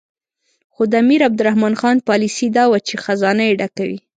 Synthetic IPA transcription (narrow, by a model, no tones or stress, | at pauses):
xod̪əamiɾab̚d̪ʊɾahmɑnxɑnpɑlisid̪ɑwat͡ʃexazɑnajeɖakawḭ